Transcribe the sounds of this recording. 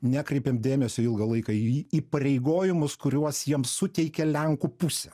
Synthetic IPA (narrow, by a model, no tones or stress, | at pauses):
nʲæːkɾʲɛɪpʲeːmd̪ʲeːmʲɛsʲoːɪlˠɡɐlˠɐɪkɐiːpɐɾʲɛɪɡoːjɪmʊskʊɾʲuɔsjiɛmsʊt̪ʲɛɪkʲɛlʲɛŋkʊpʊsʲɛ